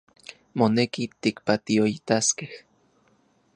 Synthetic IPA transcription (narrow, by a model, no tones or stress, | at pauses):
monekit̪ikpat̪ioit̪askeh